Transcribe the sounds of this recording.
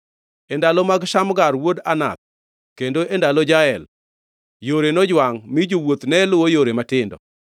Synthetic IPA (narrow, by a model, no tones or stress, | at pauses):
ɛndalɔmaɡʃamɡaɾwodana̰t̪̚ | kendoʔendalɔd͡ʒaɛl | joɾenɔd͡ʒwaŋmid͡ʒowot̪nɛlʊwojoɾematɪndɔ̰